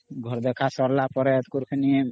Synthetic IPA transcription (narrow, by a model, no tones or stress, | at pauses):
ɡʱɔɾd̪ɛkʰasɔɾlapɔɾɛt̪kuɾkʰəni